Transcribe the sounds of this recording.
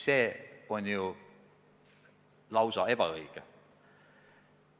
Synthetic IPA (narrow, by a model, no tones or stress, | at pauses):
seːonʲju | lɑwsɑeb̥æ̰ɤike